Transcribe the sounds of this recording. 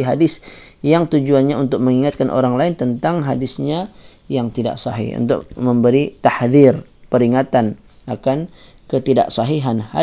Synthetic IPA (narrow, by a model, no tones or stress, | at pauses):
iɦadɪs | jaŋt̪ud͡ʒuanɲaunt̪ʊk̚məŋiŋat̪̚kanʔo̰ɾaŋlaɪnt̪ənt̪aŋɦadɪsɲa | jaŋt̪ida̰ʔsaɦɪ̰hṵnt̪ʊ̰k̚məmbəɾit̪ahðɪr | pəɾiŋat̪an | akan | kət̪ida̰ʔsaɦiɦanha̰